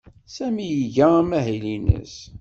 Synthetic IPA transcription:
sæmijəʝææmæɦilinə̰s

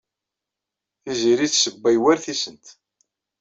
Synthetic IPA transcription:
θiziɾiθsəbːæjwæɾθisənt̪

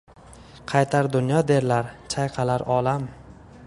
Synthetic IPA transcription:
qʰɑjt̪ʰaɾd̪ʊnjɒd̪e̞ɾlaɾt͡ʃʰajqʰɑlaɾɒlam

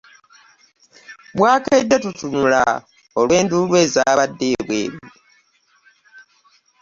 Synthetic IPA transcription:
bwaːkaidːetutunula̰ | olwe̞ːndulwe̞ːzaːβadːe̞ːβwe̞̰ːɾi

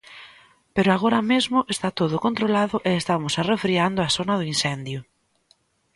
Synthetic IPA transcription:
peɾʊaɣ̞oɾamezmʊʔest̪at̪oð̞ʊkont̪ɾolaðʊʔeest̪amʊsarefɾiand̪ʊasonað̞ʊinsɛnd̪jʊ

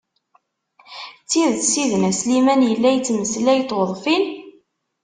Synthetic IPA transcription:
t͡sːiðθsiðənæslimænjəlːæjət͡sːməslæjt̪ːwəðˤfin

